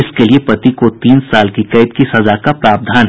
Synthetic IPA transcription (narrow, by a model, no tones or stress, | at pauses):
ɪskeliepɐt̪ikot̪iːnsaːlkikɐɪt̪̚kisɐzakapɾaːb̚d̪ʱaːnɦ